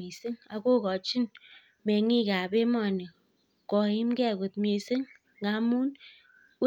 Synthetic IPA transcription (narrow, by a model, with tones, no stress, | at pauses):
e˨se˦ŋa˨ko˦˨kɔ˨t͡ʃi˦n | me˨ŋi˦˨ka˨be˦mɔ˦a˨nə˨ | kɔ˨ji˦m˦ke˦a˨ɡo˨t̚me˨se˦ŋ˨ | ɡa˨˦mu˦n˦